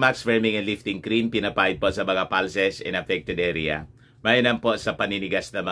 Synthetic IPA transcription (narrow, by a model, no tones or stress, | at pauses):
maksfɛɹmɪŋɛnlɪft̪ɪŋkɾinpɪnɐpaʔɪd̪̚poʔsɐmɐŋapalsɛsɛ̰̃nɐfɛk̚t̪ɛd̪ʔɛɾɪa̰ | majɐnɐmpoʔsɐpɐninɪɡasnɐmɐ